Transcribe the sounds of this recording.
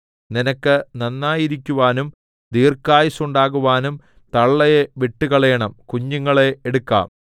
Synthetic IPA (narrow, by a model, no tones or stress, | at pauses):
ninɐkːɨnɐnːaːjiɾikʲːuʋaːnum | d̪iːrkːaːjisuɳɖaːɣuʋaːnum | t̪ɐɭːɐjeʋiʈːukɐɭɐjɐɳɐmkuɲːuŋːɐɭeeɽukːa̰ːm